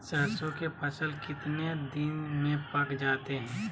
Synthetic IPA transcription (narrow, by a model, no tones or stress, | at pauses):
sɐɾsõkepʰɐsəlkɪt̪ned̪ɪnmẽpɐkd͡ʒaːt̪eɦɛ̃ː